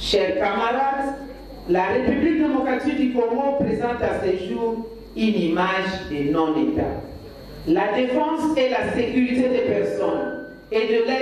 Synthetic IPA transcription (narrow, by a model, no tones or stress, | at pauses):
ʃɛʁkamaʁad̪ | laʁepyblik̚d̪emɔkʁat̪ik̚d̪ykɔŋɡopʁezɑ̃t̪aseʒuːʁ | ynimaʒd̪enɔ̃et̪a̰ | lad̪efɑ̃sɛlasekyʁit̪ed̪epɛʁsɔn | ed̪əlɛ